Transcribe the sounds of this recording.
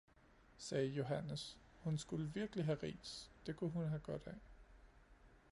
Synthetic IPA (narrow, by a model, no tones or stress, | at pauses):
sɛːjo̝ɦænəs | hunsɡ̥uləʋiɐɡ̥əliɦæʁḭːsd̥e̝kʰuɦunɦæɡ̥ɒ̽d̥ɛ